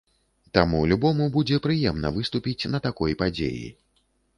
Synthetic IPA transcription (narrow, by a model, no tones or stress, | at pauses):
t̪amulʲubɔmubud͡zʲɛpɾɨjɛmnɐ̰vɨst̪upʲit͡sʲnɐt̪akɔjpad͡zʲḛjḭ